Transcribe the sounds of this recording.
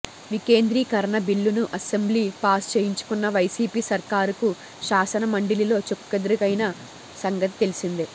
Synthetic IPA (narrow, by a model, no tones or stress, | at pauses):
ʋike̞ːnd̪ɾiːkɐɾɐɳɐbiɭːunuʔɐsembliːpaːst͡ʃeːjiɲt͡ʃu̥kunːɐʋɐjsiːpiːsɐɾkaːɾuku | ʃaːsɐnɐmɐɳɖililo̞ːt͡ʃokːɐd̪ɾɐɡɐjnɐ | sɐŋɡɐt̪i̥t̪e̞lisind̪i